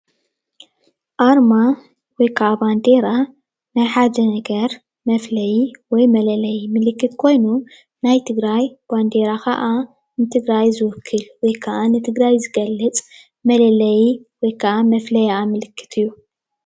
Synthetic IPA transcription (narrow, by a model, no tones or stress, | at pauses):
ʔaɾma | wɔjkʰɐʔaband̪e̞ɾa | najħad̪ɐnɐɡɐɾ | mɐflɐjiwɔjmɐlɐlɐjmɨlɨkːɨt̪kʰo̞jnu | najt̪ʰɨɡɾajb̥and̪eɾakʰɐ̰ʔa | nɨt̪ʰɨɡɾajzɨwʊkʰːɨlwɔjkʰɐʔanɨt̪ʰɨɡɾajzɨɡɐlːɐt͡sʼ | mɐlɐlɐjiwɔjkʰɐʔamɐflɐjaamɨlɨkʰːɨ̥t̪ʰɨjːu